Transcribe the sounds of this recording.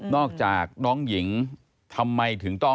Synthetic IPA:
nɔː˧˩k̚t͡ɕaː˨˩k̚ɗɔː˨˦ŋzḭ˧˩˦ŋ | t̪ʰa˧mːa˧jt̪ʰɨ˨˩əŋt̪ɔ˧

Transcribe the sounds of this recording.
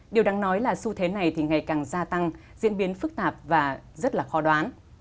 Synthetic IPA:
ɗi˨˩əwɗaː˨˦ŋnɔ˨˦jlaː˨˩su˧t̪ʰe˨˦na˨˩jt̪ʰi˨˩ŋa˨˩jkaː˨˩ŋzaː˧t̪a˧ŋzḭ˧˥ənɓi˨˦ənfɨ˦˥k̚t̪aː˨˩p̚vaː˨˩zə˦˥t̚laː˨˩xɔ˨˦ɗwaː˨˦n

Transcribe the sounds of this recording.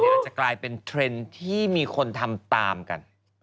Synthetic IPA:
a˨˩klaː˧jpe˧nt̪ʰɾe˧nt̪ʰiː˥˩miː˧kʰo˧nt̪ʰa˧mt̪aː˧mka̰˧n

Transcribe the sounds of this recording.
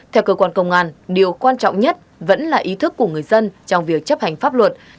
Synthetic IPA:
t̪ʰɛ˧wkəː˧kwaː˧nkə˧wŋ͡mʔaː˧nɗi˨˩əwkwaː˧nt͡ɕɔ̰˧˨wŋ͡mɲə˦˥t̚ | və̰˧˥nlaː˨˩ʔi˨˦t̪ʰɨ˦˥kːu˧˩əŋɨ˨˩əjzə˧nt͡ɕɔ˧wŋ͡mvi˨˩ək̚t͡ɕə˦˥p̚ha˨˩jŋ̟faː˦˥p̚lwə˨˩t̚

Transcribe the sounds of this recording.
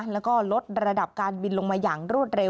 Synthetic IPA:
lɛː˦˥wkɔː˥˩lo˦˥t̪̚ɾa˧da˨˩p̚kaː˧nbi˧nlo˧ŋmaː˧jaː˨˩ŋɾu˥˩ət̪̚ɾe˧

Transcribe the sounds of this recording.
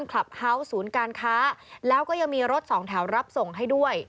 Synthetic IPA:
nkʰla˨˩p̚ha˦˥wsuː˩˦nkaː˧nkʰaː˦˥lɛː˦˥wkɔː˥˩ja˨˧˩ŋmiː˧ɾo˦˥t̪̚sɔː˩˦ŋt̪ʰɛ˩˦wɾa˦˥p̚so˨˩ŋɦa˥˩jdu˥˩əj

